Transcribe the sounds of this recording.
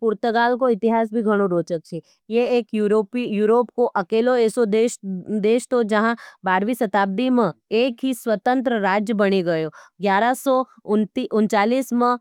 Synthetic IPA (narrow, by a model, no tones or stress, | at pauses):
pʊɾt̪əɡaːlkoɪt̪ɪɦaːs̬bʱiɡʱəɽ̃õɾoːt͡ʃək̚t͡ʃʰe | jeeːkjuɾopijuːɾoːpkoʔɐkeːloeːsod̪eːʃd̪eːʃt̪od͡ʒɐɦãbaːɾʋisɐt̪aːb̚d̪imẽeːkɦisʋət̪ə̃nt̪ɾəɾaːd͡ʒjəbɐɽ̃eɡɐjoːɡjaːɾasɔ | ʊnt̪iʔʊnt͡ʃaːliːsmə̃